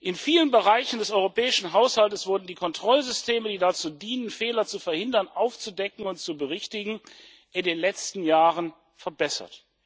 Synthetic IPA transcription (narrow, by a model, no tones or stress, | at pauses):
ʔɪnfiːlənbəʁaɪçn̩dɛsʔɔʏʁopɛːɪʃn̩ɦaʊshaltəsv̥ʊɐdn̩diːkʰɔntʁ̥ɔlzʏstʰeːmədiːdat͡suːdiːnənfeːlɐt͡sufɛɐhɪndɐnʔaʊft͡sudɛkŋ̩ʊntt͡subəʁɪçtɪɡŋ̩ | ʔɪndeːnlɛt͡stn̩jaːʁən | fɛɐbɛsɐ̰t